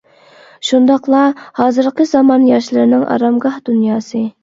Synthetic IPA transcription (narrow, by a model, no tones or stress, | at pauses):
ʃund̪ɑqlˠɑhɑːzɨɾqʰəzɑmɑnjɑʃlˠɨɾnɪŋʔɑ̰ɾɑmɡɑhd̪unjɑːsɨ